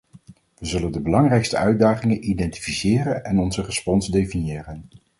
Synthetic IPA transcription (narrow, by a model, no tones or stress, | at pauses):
ʋəzɵləndəbəlɑŋrɛjkstəœɥdaːχɪŋənʔidɛnti̥fisɪːrənɛnɔnzərəspɔnzdejfinjɪːrən